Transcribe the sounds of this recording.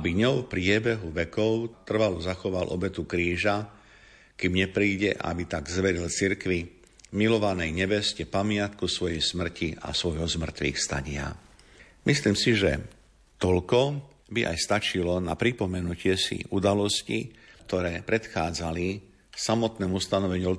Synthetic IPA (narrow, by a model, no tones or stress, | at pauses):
biɲɔʊfpɾɪɛbɛɦuʋɛkɔʊt̪r̩ʋaluzaxɔʋalʔɔ̰bɛt̪ukɾiːʒa | kimɲɛpɾiːɟɛʔa̰bit̪aɡzʋɛɾilt͡siɾkʋi | milɔʋanɛjɲɛbɛscɛpamɪat̪kusʋɔjɛjsmr̩ciʔa̰sʋɔjɦɔzmr̩t̪ʋḭːxst̪a̰ɲɪa̰ | mʔisliːmsiʒɛ̰ | t̪ɔʎkɔ | biʔa̰jst̪at͡ʃilɔna̰pɾipɔmɛnucɪɛsḭʔud̪alɔscḭkt̪ɔɾɛːpɾɛt̪xaːd͡zali | samɔt̪nɛːmust̪anɔʋɛɲuː